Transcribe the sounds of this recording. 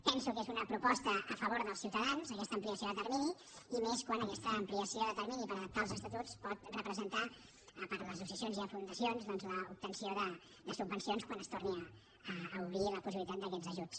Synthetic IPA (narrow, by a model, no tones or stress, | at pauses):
pɛnsukezunəpɾupɔst̪əːfəβoɾðəlˠsiwt̪əðanzəkɛst̪əmpliəsioðət̪əɾmini | imeskwanəkɛst̪əːmpliəsioðət̪əɾminipəɾəðəp̚t̪alˠzəst̪ət̪ut͡spɔt̪rəpɾəzənt̪a | pəɾləs̬usiəsionziəfund̪əsionzðɔnzləup̚t̪ənsioðə | ðəsubənsionskwanəst̪orniəː | uβɾiləpusiβilit̪at̪d̪əkɛd͡zzəʒut͡s